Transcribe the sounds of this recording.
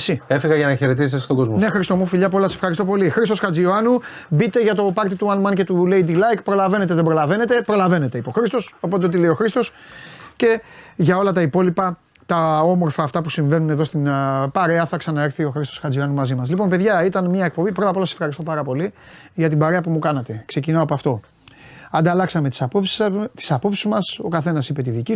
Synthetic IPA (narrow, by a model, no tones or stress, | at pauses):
sie̞fiɣɐʝɐnɐçe̞ɾet̪̬izit̪est̪oɡozmonexɾist̪omufiʎɐpuolɐse̥fxɐɾist̪o̞po̞lixɾist̪osxɐd͡zioɐnubit̪e̞ʝɐt̪o̞pɐɾt̪it̪uɐnmɐnce̞t̪ule̞id̪ilɐjkpɾo̞lɐve̞ne̞t̪̬eðebɾo̞lɐve̞ne̞t̪e̞pɾo̞lɐve̞ne̞t̪e̞ipo̞xɾist̪o̞so̞po̞t̪eot̪ileio̞xɾist̪o̞s | ce̞ʝɐo̞lɐt̪ɐipo̞lipɐ | t̪ɐo̞mo̞ɾfɐːft̪ɐpusiɱvenuneðo̞st̪inpɐɾe̞ɐθɐksɐnɐe̞ɾθio̞xɾist̪o̞sxɐd͡ziɐnumɐzimɐslipo̞npe̞ðʝɐit̪ɐnmɲɐe̞k̚po̞bipɾot̪ɐpo̞lɐse̥fxɐɾist̪o̞pɐɾɐpo̞liʝɐt̪̬ibɐɾe̞ɐpumukɐnɐt̪e̞kse̞cinɐopɐft̪o̞ | ɐnd̪ɐlɐksɐme̞t̪i̥spopt̪i̥sɐpo̞psizmɐso̞kɐθe̞nɐsipe̞t̪iðici